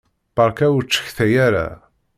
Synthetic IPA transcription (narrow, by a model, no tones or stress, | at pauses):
b̥ɑɾˤkæwt͡ʃːə̥çθæjæɾæ̰